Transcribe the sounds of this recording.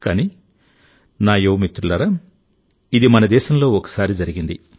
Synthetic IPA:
kaːni | naːjoːmit̪ɾulɐɾɐ | id̪imɐnɐd̪ɛːʃɐmlo̞ːɔkɐ̥saːɾid͡ʒɐɾiɡind̪i

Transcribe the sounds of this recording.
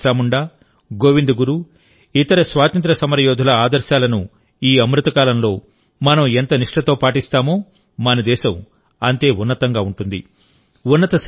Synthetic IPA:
aːmuɳɖaː | ɡo̞ːʋind̪uɡuɾu | it̪ɐɾɐsʋaːt̪ɐnt̪ɾɐsɐmɐɾɐjoːd̪ʱulɐaːd̪ɐɾʃaːlɐnu | iːɐmɾut̪ɐkaːlɐmlo̞ː | mɐnɐment̪ɐniʂʈɐt̪o̞ːpaːʈist̪aːmo̞ː | mɐnɐd̪ɛːʃɐm | ɐnt̪e̞ːunːɐt̪ɐŋɡaːuɳʈund̪ḭ | unːɐt̪ɐs

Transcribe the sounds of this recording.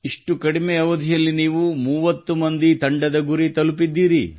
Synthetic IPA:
iʂʈukɐɽimeɐʋɐd̪ʱijɐlːiniːʋumuːʋɐt̪ːumɐnd̪it̪ɐɳɖɐd̪ɐɡuɾit̪ɐlupid̪ːiːɾḭ

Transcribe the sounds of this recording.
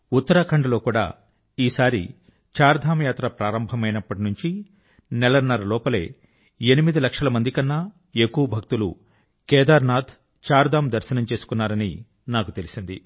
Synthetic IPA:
ut̪ːɐɾakʰɐɳɖɐlo̞ːkuːɽa̰ː | iːsaːɾḭ | t͡ʃaːɾd̪ʱaːmjaːt̪ɾɐpɾaːɾɐmbʱɐmɐjnɐpːɐʈ̬inuɲt͡ʃi | nɛlɐnːɐɾɐlɔːpɐle̞̰ː | enimid̪ilɐkʂɐlɐmɐnd̪ikɐnːɐ | ekuwɐbʱɐk̚t̪ulṵ | kɛːd̪aːɾnaːd̪ʱ | t͡ʃaːɾd̪ʱaːmd̪ɐɾʃɐnɐmt͡ʃe̞ːsu̥kunːaːɾɐnḭ | naːkut̪e̞lisind̪ḭ

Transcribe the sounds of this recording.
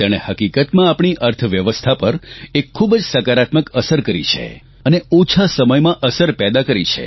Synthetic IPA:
t̪aɽ̃ehəkikət̪mãapɳ̃iʔəɾt̪ʰʋjəʋəst̪ʰapəɾekʰːubd͡ʒsəkaɾat̪məkəsəɾkəɾḭt͡ʃʰḛ | əneot͡ʃʰasəməjmãʔəsəɾpɛd̪akəɾit͡ʃʰḛ

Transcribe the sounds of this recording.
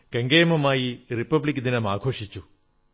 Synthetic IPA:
kɐŋɡejɐmɐmaːjiɾipɐblikd̪inɐmaːkʰoːʂit͡ʃːu

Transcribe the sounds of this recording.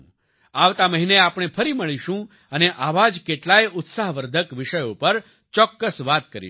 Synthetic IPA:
aʋt̪aməɦineapɽ̃epʰəɾiməɭiʃũ | əneʔaʋad͡ʒkeʈlajʊt̪saɦʋəɾd̪ʱəkʋɪʃəjopəɾ | t͡ʃɔkːəsʋat̪kəɾḭ

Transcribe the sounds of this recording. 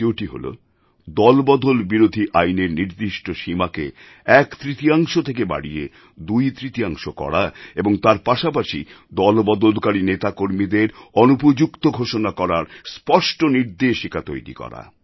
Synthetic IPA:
eoʈiɦo̰lo̰ | d̪ɔlbɔd̪olbiɾod̪ʱiʔajneɾniɾd̪iʃʈoʃimake | ɛkt̪ɾit̪iaŋʃot̪ʰekeba̰ɽie | d̪ujt̪ɾit̪iaŋʃokɔ̰ɽaeboŋt̪aɾpaʃapaʃi | d̪ɔlbɔd̪olkaɾinet̪akoɾmid̪eɾɔnupod͡ʑukt̪oɡʱoʃonakɔɾaɾspɔʃʈoniɾd̪eʃikat̪ojɾḭkɔ̰ɾa̰

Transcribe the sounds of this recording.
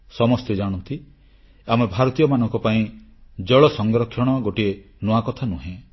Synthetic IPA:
sɔmɔst̪ed͡ʒaɽ̃ɔnt̪i | amebʱaɾɔt̪ijɔmanɔŋkɔpaĩd͡ʒɔɭɔsɔŋɡɾɔkʰːjɔɽ̃ɔɡoʈie | nɔakɔt̪ʰanuɦẽ

